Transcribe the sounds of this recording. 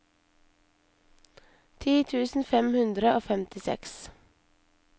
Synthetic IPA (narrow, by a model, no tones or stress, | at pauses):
t̪ʰiːt̪ʰʉːsn̩fɛmhʉnd̪ɾəʔoːfɛmt̪ɪsɛ̰ks